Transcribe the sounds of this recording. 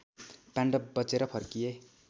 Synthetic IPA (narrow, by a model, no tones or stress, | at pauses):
paɳɖʌbʌt͡seɾʌpʰʌrkije